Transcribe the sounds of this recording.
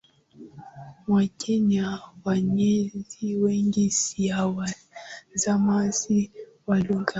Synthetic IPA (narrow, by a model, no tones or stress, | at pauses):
mwakɛɲawaɲɛziwɛŋɡisiawa | zamazi | waluŋɡa